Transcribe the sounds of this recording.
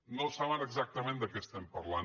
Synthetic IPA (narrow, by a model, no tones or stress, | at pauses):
nosaβənəɡzak̚t̪əmẽnd̪əkɛst̪ɛmpəɾlan